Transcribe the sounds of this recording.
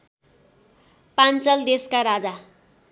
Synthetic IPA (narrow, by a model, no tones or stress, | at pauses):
pant͡sʌld̪eskaɾad͡za